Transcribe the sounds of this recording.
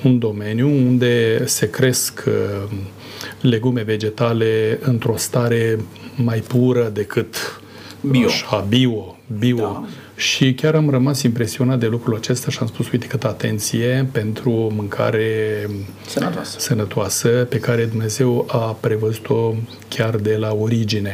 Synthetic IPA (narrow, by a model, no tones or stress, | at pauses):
und̪o̞me̞njuund̪e̞se̞kɾe̞skʰ | le̞ɡume̞ve̞d͡ʒe̞t̪ale̞ɨnt̪ɾo̞st̪aɾe̞ | majpuɾəd̪e̞kɨt̪ | aʃabio̞ | bio̞ | ʃikʲaɾamrəmasimpɾe̞sio̞nat̪̚d̪e̞lukɾulat͡ʃe̞st̪aʃiamspusujt̪e̥kɨt̪əat̪e̞̰nt̪sije̞pe̞nt̪ɾuomɨŋkʰa̰ɾe̞ | t̪asənət̪oasəpe̞kaɾe̞d̪umne̞ze̞wapɾe̞vəzut̪ʰo̞ | kʲard̪e̞laoɾid͡ʒine̞